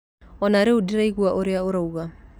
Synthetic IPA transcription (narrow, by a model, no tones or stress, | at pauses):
ɔnaːɾeodiɾaiɣwaʔoɾeaoɾauɣa